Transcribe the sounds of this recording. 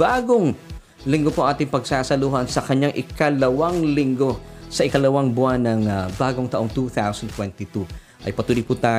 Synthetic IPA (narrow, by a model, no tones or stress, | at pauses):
aːɡoŋ | lɪŋɡopoɐŋʔaːt̪ɪŋpɐɡsaːsɐluɦɐnsɐkɐɲaŋʔɪkɐlɐwaŋlɪŋɡo̞sɐʔɪkɐlɐwaŋbʊanɐŋbaːɡoŋt̪ɐʔo̞ŋt̪uθawsɐnt̪wɛnt̪it̪u | ʔɐ̰jpɐt̪uːlɪput̪aː